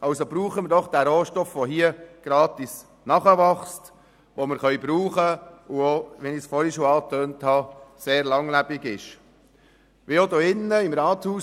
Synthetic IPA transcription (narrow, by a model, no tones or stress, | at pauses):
ɑwsobɾuːχəməɾdɔχd̥æɾoːʃtɔfʋoɦiəɡ̥ɾɑːtis | nɑχəʋɑχst | ʋoməɾχœʏbɾuːχəuoʋɛnisfɔɾiʃoːɑːtøːnthɑseːɾlɑŋlæb̥ɪɡɪʃ | ʋiod̪oɪnːəimɾɑːthuː